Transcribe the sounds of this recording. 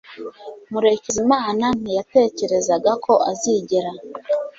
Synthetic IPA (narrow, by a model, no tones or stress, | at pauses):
muɾe̞cizimaːnan̥ijate̞ːce̞ɾe̞zaɡakʰo̞ʔaziɟeɾa